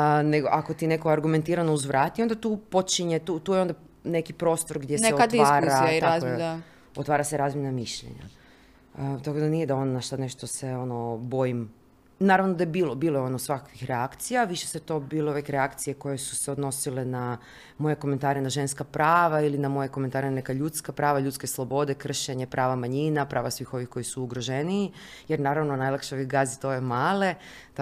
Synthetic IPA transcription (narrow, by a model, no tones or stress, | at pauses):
neɡoʔakot̪ine̞koɡaɾɡume̞nt̪iːɾanouzʋɾʔaːt̪iond̪at̪uːpo̞t͡ʃiɲet̪ut̪uːjeo̞nd̪a | ne̞kipɾo̞ːst̪oɾɡd̪jesneeoat̪ʋaːɾaaiaje | ot̪ʋaːɾaseɾaːzmjenamiʃʎḛɲa̰ | ət̪akod̪anije̞d̪aonnaʃt̪ane̞ʃt̪oseo̞nobo̞jim | naːɾaʋnod̪ajebiːlobiːlˠojeo̞nosʋakakʋixɾeakt̪sijaʋiʃeseet̪o̞biːlˠouʋekɾeakt̪sije̞ko̞je̞su̥se̞od̪no̞silena | mo̞jeko̞ment̪aːɾenaʒe̞nskapɾaːʋailinamo̞jekome̞nt̪aːɾenanekaʎut̪skapɾaːʋaʎut̪ske̞slˠo̞bo̞d̪ekr̩ʃeɲe̞pɾʔaːʋamaɲinapɾʔaːʋasʋixo̞ʋixko̞jisuːɡɾoʒeniː | jeɾnaːɾaʋnonajlakʃeoʋiɡazit̪ojemaːle̞